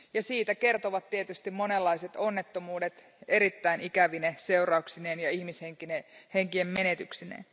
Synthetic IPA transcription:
jɑsiːt̪æke̞rt̪oʋɑt̪tiet̪yst̪immo̞nelːɑiset̪o̞nːet̪ːomuːdet̪ | e̞ɾit̪ːæinikæʋinese̞urɑuksineːnjɑihmisheŋkineheŋkiemme̞net̪yksinḛn

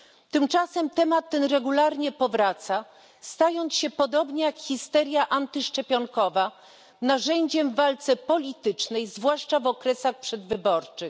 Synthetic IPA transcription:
t̪ɘmt͡ʂasɛmt̪ɛmat̪ːɛnɾɛɡulaɾɲɛpɔvɾat̪sa | st̪ajɔnt̪sɕɛpɔd̪ɔbɲɛjakxʲist̪ɛɾʲjaʔant̪ɘʂt͡ʂɛpʲjɔŋkɔva | naʐɛɲd͡ʑɛmvːalt̪sɛpɔlʲit̪ɘt͡ʂnɛjzvwaʂt͡ʂavɔkɾɛsaxpʂɛd̪vɘbɔɾt͡ʂɘx

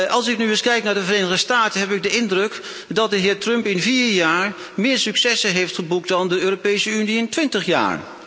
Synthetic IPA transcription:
ɑlˠsɪknyɪskɛjknaːɹdəvərejnəʁdəstaːtənɦɛpɪɡ̚dəɪndrɵk | dɑt̚dəɦɪːɹtrɵmpɪnviːɹjaːɹ | mɪːɹsyksɛsəɦejftχəbuk̚dɑndəøːropejsəyniɪntʋɪntəχja̰ːɹ

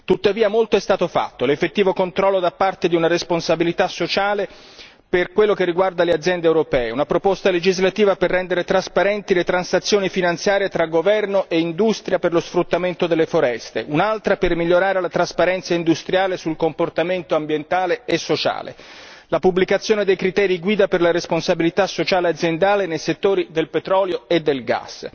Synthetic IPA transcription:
t̪ut̪ːaviːamolt̪oɛst̪aːt̪ofa̰t̪ːolefːet̪ːiːvokont̪ɾɔlːod̪apːart̪ed̪iunaɾesponsabilit̪asːot͡ʃaːle | perkwelːok̟erːiɡward̪alead̪zjɛnd̪ewɾopɛːeunapɾopost̪aled͡ʒizlat̪iːvaperːɛnd̪eɾet̪ɾaspaɾɛnt̪ilet̪ɾansat̪sːjoːnifinant̪sjaːɾjet̪ɾaɡovɛrnoʔeind̪ust̪ɾjaperlosfɾut̪ːament̪od̪elːefoɾɛst̪eʔunalt̪ɾapermiʎːoɾaːɾelat̪ɾaspaɾɛnt̪saind̪ust̪ɾjaːlesulkomport̪ament̪oambjent̪aːleesːot͡ʃa̰ːlḛlapubːlikat̪sːjoːned̪ejkɾit̪ɛːɾiɡwiːd̪aperlaɾesponsabilit̪asːot͡ʃaːlead̪zjend̪aːlenejset̪ːoːɾid̪elpet̪ɾɔːljoed̪ːelɡa̰s

